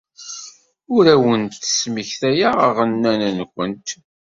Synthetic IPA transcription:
ʊɾæwənt̪ə̥smiçθæjaʁəʁənːænænkʷənt̪

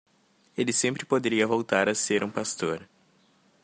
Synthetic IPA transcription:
elɪsẽmpɾɪpod̪eɾiɐvowt̪aɾɐseɾũpast̪oɾ

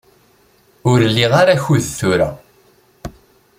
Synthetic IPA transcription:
ʊɾlːiʁaɾaçuðθuɾa̰

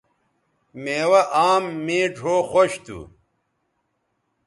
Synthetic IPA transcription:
meːwɐʔaːmːeːʈ͡ʂʰoːxoɕt̪ṵ

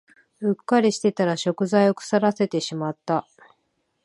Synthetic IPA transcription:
hɯ̟kːaɾʲiɕi̥t̪e̞t̪aɾaɕo̞kɯ̟zaio̞kɯ̟̥saɾase̞t̪e̞ɕimat̪ːa

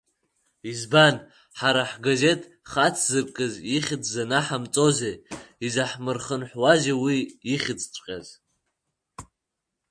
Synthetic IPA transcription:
izban | ħaɾaħɡaze̞tʼ | χat͡sʰzɨrkʼɨziχʲɪt͡sʰzanaħamt͡sʼo̞zeizaħmɨrχənħwaʒawiːχʲɪt͡sʰʼʈ͡ʂʷʼqʲʼa̰z

